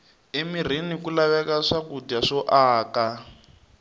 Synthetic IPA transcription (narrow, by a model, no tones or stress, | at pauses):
emir̤inikulaβɛkaʂakudiaʂɔʔaːka